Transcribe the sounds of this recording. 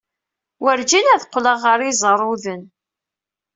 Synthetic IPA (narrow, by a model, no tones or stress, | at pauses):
wəɾd͡ʒinæðqːləʁːəɾizˤəɾˤuðən